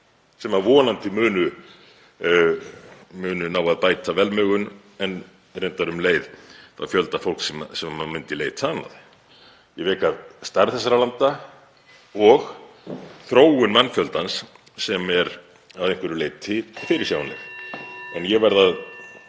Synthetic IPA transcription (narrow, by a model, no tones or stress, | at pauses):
sɛmavɔːnant̪ɪmʏːnʏ | mʏːnʏnaːwaðpaːjt̪ʰavɛlmœːɣʏn | ɛn | rejnt̪aɾʏmleːjðθa̰fjœlt̪afowl̥ksɛmsɛmaamʏnt̪ɪleːjt̪ʰaːna̰ð | jɛvɛːkast̪aɾðθɛsːaɾalant̪a | ɔɣ | θɾoːwʏnmɛnːfjœlt̪ansː | ɛmɛɾ | aðejŋkvɛɾʏleːjt̪̚t̪ʰɪfɪːɾɪ̥saːwanɛ̰ | ɛnjɛɣvɛɾðað